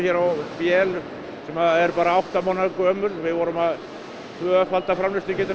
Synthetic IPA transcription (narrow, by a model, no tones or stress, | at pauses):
çɛɾawpjɛːlʏ | sɛmaɛɾpaːɾaawht̪amoːnakœmʏɾvɪðvɔːɾʏmað | t̪ʰvœːfalt̪afɾamlɪst̪ɪcɪːt̪ɪ